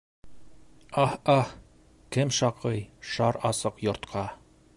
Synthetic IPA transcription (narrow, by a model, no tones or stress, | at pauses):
ɑhɑh | kɘmʃɑqʰɤjʃɑɾɑsɤqjŏɾt̪qʰɑ